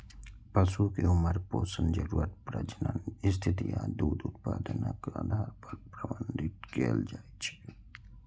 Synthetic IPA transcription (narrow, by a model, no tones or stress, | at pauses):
pɐsukeʊməɾpoːsənd͡ʒɐɾuːət̪̚pɾɐd͡ʒnanɪs̬t̪ʰit̪ijad̪uːd̪ʊt̪̚paːd̪ənakad̪ʱaːɾpəɾpɾɐbənd̪it̪̚keːld͡ʒaːet͡ʃʰi̥